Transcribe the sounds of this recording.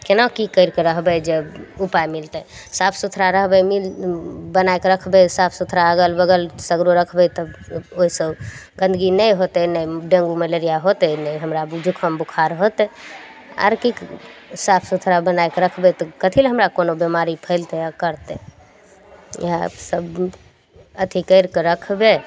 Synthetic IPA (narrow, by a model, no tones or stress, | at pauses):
kenakikəɪɾkeɾəɦbɛd͡ʒeupajmilt̪əsapʰsut̪ʰɾaɾəɦbɛmilbənaekɾəkʰbɛsapʰsut̪ʰɾaəɡəlbəɡəlsəɡɾuɾəkʰbɛt̪ɔoisəbɡə̃nd̪əɡinəjɦot̪ɛnəjɖẽŋɡuməleɾijaɦot̪ɛnəjɦəmɾad͡ʒukʰəmbukʰaɾɦot̪ɛ | a̰ɾkiksapʰsut̪ʰɾabənaekɾəkʰbɛt̪ɔkət̪ʰilɦəmɾakonobemaɾipʰəɪlt̪ɛakəɾt̪ɛ | asəb | ət̪ʰikəɪɾkeɾəkʰbe